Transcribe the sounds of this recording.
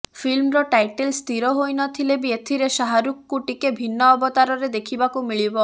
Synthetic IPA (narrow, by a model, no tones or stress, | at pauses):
filmɾɔʈajʈelst̪ʰiɾɔɦojnɔt̪ʰilebiet̪ʰiɾeʃaɦaɾukːuʈikebʱinːɔːbɔt̪aɾɔɾed̪ekʰibakumiɭibɔ